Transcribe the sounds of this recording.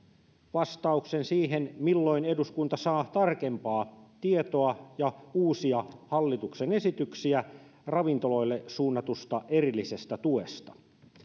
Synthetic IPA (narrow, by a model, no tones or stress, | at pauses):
ʋɑst̪ɑuksensiːɦenmilːo̞ine̞duskunt̪ɑsɑːt̪ɑrke̞mpɑːt̪iet̪oɑjɑuːsiɑhɑlːit̪uksenesit̪yksiæ | rɑʋint̪olojlːesuːnːɑt̪ust̪ɑʔe̞rilːise̞st̪æt̪uest̪ɑ̥